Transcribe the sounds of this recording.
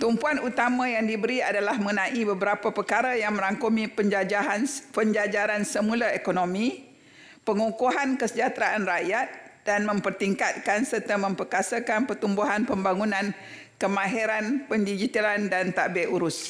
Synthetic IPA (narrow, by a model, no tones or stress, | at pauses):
t̪umpuanut̪amãjaŋdibəɾiadalahməŋənãʔibəbəɾapapəkaɾajaŋmə̃ɾaŋkomĩpəɲd͡ʒad͡ʒaɦanpəɲd͡ʒad͡ʒaɾansəmulaekonõmĩ | pəŋukuɦankəsəd͡ʒat̪ɾaʔanrajat̪̚d̥anmə̃mpərt̪iŋkat̪̚kansərt̪amə̃mpərkasakanpərt̪umbuɦanpəmbaŋunãn | kəmãɦeɾanpəndid͡ʒit̪alandant̪aʔbɛʔuɾʊs